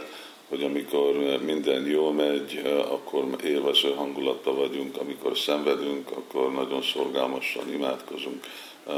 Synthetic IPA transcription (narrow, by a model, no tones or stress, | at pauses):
ho̞ɟɒmiko̞rmind̪ɛnjoːlmɛɟɒ̰kʰːo̞reːlvɛsøːɦɒŋɡulɒt̪ːɒvɒɟuŋkɒmiko̞̰rsɛɱvɛd̪yŋkɒkːo̞rnɒɟo̞nso̞rɡalmɒʃɒ̰nimaːt̪ko̞zuŋk